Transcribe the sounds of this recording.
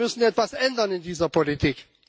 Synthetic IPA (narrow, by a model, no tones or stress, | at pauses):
ʏsn̩ɛtv̥asʔɛndɐnɪndiːzɐpʰolitʰiːk